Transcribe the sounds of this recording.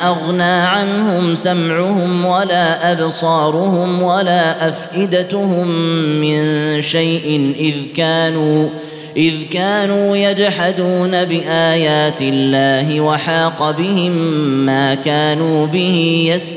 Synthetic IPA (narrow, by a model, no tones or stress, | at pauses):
ʔaɣnaːʕanhʊmsamʕʊhʊmwalaːʔabsˤɑːɾʊhʊmwalaːʔafʔɪd̪at̪hʊmːɪnʃajʔɪnʔɪðkaːnuː | ʔɪðkaːnuːjad͡ʒħad̪uːnabɪʔaːjaːt̪ɪlːaːɦɪwaħɑːqɑbɪhɪmːaːkaːnuːbɪhɪjas